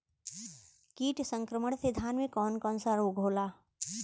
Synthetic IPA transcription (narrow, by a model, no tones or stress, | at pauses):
kiːʈsə̃ŋkɾəməɽsed̪ʱaːnmẽkɔːnkɔːnsaɾoːɡʱɦoːlaː